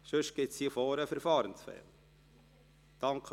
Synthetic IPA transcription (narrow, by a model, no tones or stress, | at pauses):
ʃɵʃɡ̥ɪtsiːfoːɾəfɛɾfɑːɾənsfɛ̰ːl | d̪̥ɑŋkʰ